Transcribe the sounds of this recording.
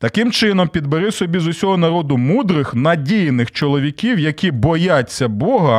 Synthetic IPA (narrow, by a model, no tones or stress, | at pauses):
t̪ɐkɪmt͡ʃɪn̪ɔmpʲid̪beɾɪwsɔbʲizʊsʲɔɦɔnɐɾɔd̪ʊmud̪ɾɪxnɐdʲijnɪxt͡ʃɔlˠɔʋʲikʲiwjɐkʲibɔjat͡sʲːɐbɔɦɐ